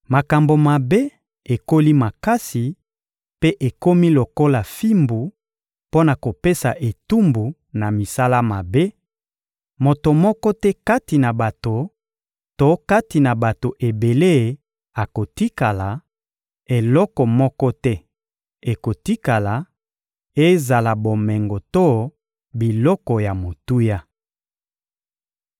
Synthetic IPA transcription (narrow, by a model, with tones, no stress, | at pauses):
ma˨ka˨mbo˨ma˨be˦ | e˨ko˦li˦ma˨ka˦si˨ | pe˦ʔe˨ko˦mi˦lo˨ko˦la˨fi˦mbu˨ | po˦na˨ko˨pe˦sa˨ʔe˨tu˦mbu˨ | na˨mi˨sa˦la˦ma˨be˦ | mo˨to˨mɔ˦kɔ˦tɛ˦ka˦ti˨na˨ba˨to˨ | to˦ka˦ti˨na˨ba˨to˨ʔe˨be˨le˦˨ | a˨ko˨ti˦ka˨la˨ | e˨lɔ˦kɔ˨mɔ˦kɔ˦tɛ˦ | e˨ko˨ti˦ka˨la˨ | e˦za˨la˨bo˨mɛ˨ŋɡo˨to˦˨ | bi˨lɔ˦kɔ˨ja˨mo˨tu˦ja˦